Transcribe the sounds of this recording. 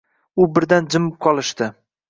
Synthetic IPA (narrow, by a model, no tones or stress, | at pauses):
ʊbɪɾd̪and͡ʒɪmɪp̚qʰɒlˠɪʃt̪ɪ